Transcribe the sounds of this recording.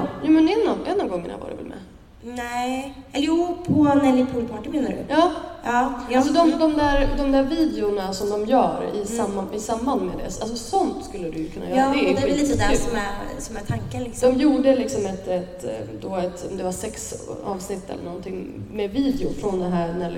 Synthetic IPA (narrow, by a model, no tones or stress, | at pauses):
juːmɛnɛnɔd̪ɛnːɔmɡɔŋːə̰ɳa̰va̰ɾɛ̰vɛ̰lmɛ̰ | ɛ | juːpʰɔnɛlɪpʰʊpʰɑʈɪbɛnːəɾʉ̰jɑːɑːsɔd̪ɔmd̪ɔmd̪æːɾd̪ɔmd̪æːɾviːd̪ɛʊnasɔmd̪ɔmjœ̰ːɾɪ̰samːɪsamːanmɛd̪ɛ̰alsɔsɔnt̪skɵlːəd̪ʉjɵkʰɵnːa̰jœːɾd̪ɛɛliːt̪ːd̪sɔmɛsɔmæt̪ʰaŋkəlɪksd̪ɔmjuːɖəlɪksɔmɛt̪ɛt̪d̪ɔɛt̪ɔmd̪ɛvasɛksɑ̰ːvsnɪt̪ʰːɛ̰lːə̰ɳɔnt̪ʰɪŋːmɛviːd̪ɛʊfɾɔnd̪ɛɦæːɾnɛl